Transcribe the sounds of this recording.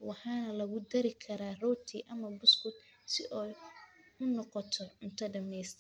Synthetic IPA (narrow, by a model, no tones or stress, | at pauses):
wɑħɑːnɐlɐɣʊd̪ɐɾɪkʰɐɾaːrɔːt̪ʰiʔɐmɐbʊskʊt̪ | sɪʔɔjʊnɔqɔt̪ʰɔʕʊnt̪ʰɐɖɐmɛjst̪ʰɐ